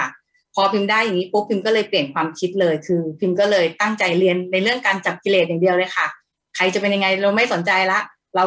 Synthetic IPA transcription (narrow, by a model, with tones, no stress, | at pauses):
pʰɔː˧pʰi˧mdaː˥˩jːa˨˩ŋiː˦˥pʰu˦˥pʰːi˧mkɔː˥˩lɤː˧jpli˨˩ənkʰwaː˧mkʰi˦˥t̪̚lɤː˧jkʰɯː˧pʰi˧mkɔː˥˩lɤː˧jt̪a˥˩ŋt͡ɕa˧jli˧ənːa˧jɾɯ˥˩əŋkaː˧nt͡ɕa˨˩p̚kʰi˧leː˨˩a˨˩ŋdi˧əwlɤː˧jkʰa˥˩ | kʰa˧jt͡ɕa˨˩pe˧nja˧ŋa˧jɾa˧wma˥˩jso˩˦nt͡ɕa˧jla˦˥ʔ | ɾa˧